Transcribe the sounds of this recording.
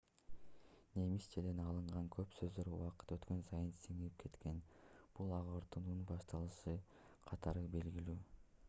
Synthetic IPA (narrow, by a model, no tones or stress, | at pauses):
ne̞mist͡ʃeld̪enɑlˠɯɴʁɑŋkʰø̞psø̞zd̪ø̞ɾuwɑqɯ̥t̪ø̞t̪kø̞nsɑjɯnsiŋiip̚kʰe̞t̪ke̞nb̥ulˠɑʁɯɾt̪ɯnubɑʃt̪ɑlˠɯʃɯ | qʰɑt̪ʰɑɾɯbe̞lɡilyː